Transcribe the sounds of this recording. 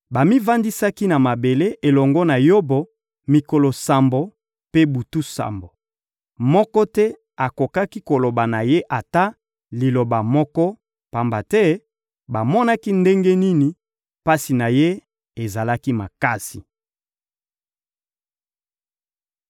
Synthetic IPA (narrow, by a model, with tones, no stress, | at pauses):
ba˨mi˦va˦ndi˦sa˦ki˦na˨ma˨be˨le˦ʔe˨lɔ˨ŋɡɔ˦na˨jo˦bo˨ | mi˨ko˨lɔ˨sa˨mbo˨ | pe˦bu˨tu˦sa̰˨mbo˨ | mɔ˦kɔ˦tɛ˦ | a˨ko˨ka˦ki˦ko˨lo˨ba˨na˨je˦ʔa˨ta˦ | li˨lo˨ba˨mɔ˦kɔ˦ | pa˨mba˨tɛ˦ | ba˨mɔ˦na˦ki˦nde˦ŋɡe˦ni˦ni˨ | pa˦si˨na˨je˦ | e˨za˨la˦ki˦ma˨ka˦si˨